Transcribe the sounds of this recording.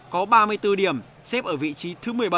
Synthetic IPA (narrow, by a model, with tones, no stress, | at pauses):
kɔ˨˦ɓaː˧mɨ˧əjt̪ɨ˧ɗi˧˩əm | sɛ˦˥p̚ʔəː˧˩vḭ˧˨t͡ɕi˨˦t̪ʰɨ˨˦mɨ˨˩əjɓə˧˩